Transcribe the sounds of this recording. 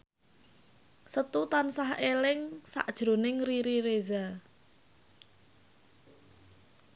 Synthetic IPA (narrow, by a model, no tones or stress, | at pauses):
sət̪ut̪ansaɦelɪŋsa̰ʔd̥ʒ̥ɾo̤nɪŋriɾiɾeza